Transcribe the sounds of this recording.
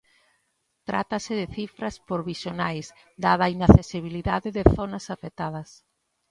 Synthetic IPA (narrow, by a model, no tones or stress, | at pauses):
t̪ɾa̰t̪ɐsɪðɪθifɾɐspoɾβisjonajz | d̪aðainaθesiβ̞iliðaðɪðɪθonɐsafet̪aðɐs